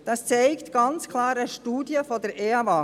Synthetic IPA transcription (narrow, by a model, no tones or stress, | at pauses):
d̥ɑst͡seɪktɡ̥ɑnt͡skʰlɑːɾəʃtuːdjəfɔdəɾeːɑvɑ